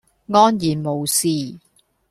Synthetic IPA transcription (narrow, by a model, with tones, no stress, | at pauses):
ŋɔː˥njiː˨˩nmo˨wsiː˧